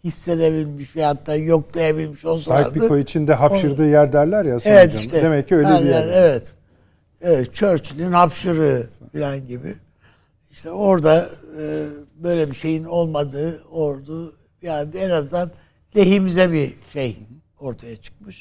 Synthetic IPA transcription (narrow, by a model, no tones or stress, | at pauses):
hisːe̞d̪e̞bilʲmiʃvɛat̪ːaːjo̞k̚d̪ˠajabilʲmiʃolˠsa̰biɯoit͡ʃʰind̪ɛɦapʃɯɾd̪ɯːjæɾd̪æɾlʲæɾjasevɛt̪iʃt̪ɛd̪emɛcːiøjlʲɛɾiæɾevɛt̪ | evɛt̪t͡ʃʰø̞ɾt͡ʃʰilʲinhapʃɯɾɯːfilʲænɟibḭ | iʃt̪ʰɛo̞ɾd̪aɯːbø̞jlʲebiʃe̞jino̞lˠmad̪ɯːo̞ɾd̪u | biand̪ɛenazd̪an | lʲeɦimizɛbiʃej | o̞ɾt̪ʰajat͡ʃʰɯ̥k̚mɯʃ